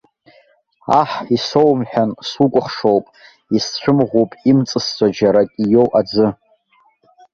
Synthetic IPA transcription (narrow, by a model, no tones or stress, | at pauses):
a̰ħisowmħᶣansukʷʼʊχʂowpʼ | ist͡ɕʷʰɨmʁʷupʼimt͡sʼɨst͡sʷʰʼad͡ʒaɾakʲʼijo̞wʔad͡zɨ